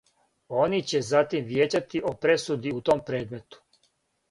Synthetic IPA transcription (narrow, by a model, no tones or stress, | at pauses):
o̞nit͡ɕe̞zat̪imʋje̞ːt͡ɕat̪iʔo̞pɾe̞sud̪iut̪o̞mpɾe̞ːd̪me̞t̪u̥